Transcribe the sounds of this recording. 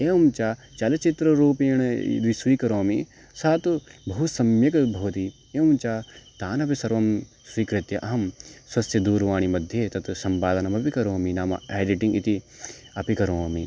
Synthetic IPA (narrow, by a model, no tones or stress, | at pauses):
eːʋɐmt͡ʃaːt͡ʃɐlɐt͡ʃit̪ɾɐɾuːpiɐɳ̃ɐḭd̪ʋiswiːkɐɾoːmi | saːt̪ubʱɐɦusɐmjɐkɐbʱoːt̪i | eːɐmt͡ʃat̪aːnɐpisɐɾʋɐm | swiːkɾit̪jɐʔɐɦɐmswɐsʰjɐd̪uːɾʋaːɳ̃imɐd̪ʱjeːt̪ɐt̪usɐmpaːd̪ɐnɐmɐpikɐɾoːminaːmɐ̰eːɖiʈĩŋɡḭt̪i | ɐpikɐɾoːmi